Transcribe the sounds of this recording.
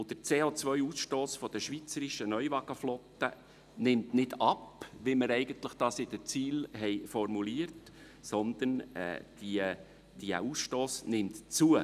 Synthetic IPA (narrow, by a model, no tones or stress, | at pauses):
ʊd̥̪əɾt͡seːot͡sʋœʏuːsʃtoːsfɔd̥̪əʃʋit͡səɾiʃənœʏvɑɡ̥əflɔtːə | nɪmtnɪdɑpʋiməɾɛɪɡənt̪ləχd̥ɑːsɪd̥̪ət͡siːlɦɛɪfɔɾmuliəɾt | sɔnd̪ənɛ̰d̥i | d̥iə̰uːsʃtoːsnɪmt̪t͡suə